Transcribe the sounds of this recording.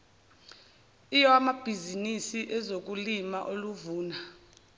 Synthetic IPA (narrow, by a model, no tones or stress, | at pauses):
ijɔamab̥ʱizinisiʔɛzok̬ʼulimaʔoluvuːna